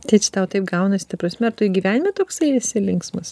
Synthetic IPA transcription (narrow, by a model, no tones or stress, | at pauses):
t̪ʲɐɪt͡ʃʲɛ̥t̪ɐʊt̪ɐɪp̚ɡɐʊnɐsʲɪ̥t̪ɐprɐsʲmʲɛɐɾt̪ʊiɡʲiʋʲæːnʲɪmʲɛt̪oːksɐɪɪsʲɪlʲɪŋksmɐs